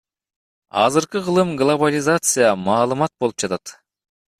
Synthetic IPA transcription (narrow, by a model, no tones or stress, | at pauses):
ɑzɯɾqɯʁɯlˠɯmɡlˠobalʲɪzat̪sɨjamɑːlˠɯmɑt̪̚bo̞lˠup̚d͡ʒɑt̪ɑt̪